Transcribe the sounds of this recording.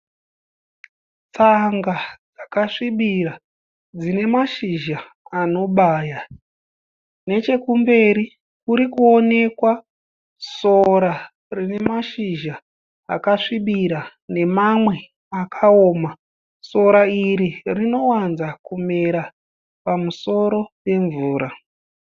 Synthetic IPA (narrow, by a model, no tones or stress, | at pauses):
t͡saŋɡad͡zakaʂiɓira | d͡zine̞maʃiʒa | ano̞ɓaːja | net͡ʃe̞kumbe̞ɾi | kuɾikuone̞kwa | so̞ɾa | rine̞maʃiʒa̰ː | kaʂiɓiɾa | ne̞mamwe̞ | akʰao̞ːma | so̞ɾaiɾirino̞wanzakume̞ɾa | pamuso̞ɾo̞pe̞ɱvuːɾa